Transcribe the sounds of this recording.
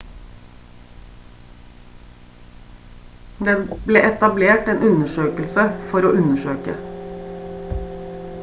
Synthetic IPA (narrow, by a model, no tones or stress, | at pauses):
d̪ɛbleːʔɛt̪ɑbleːʈeːnʔʉnəʃøːkəlsəfɔɾoːʔʉnəʃøːkə̰